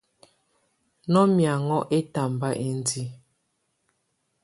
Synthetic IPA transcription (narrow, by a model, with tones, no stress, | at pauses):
nɔ˦mja˨ŋɔ˦ʔe˦ta˨mba˦ʔe˨n˦di˦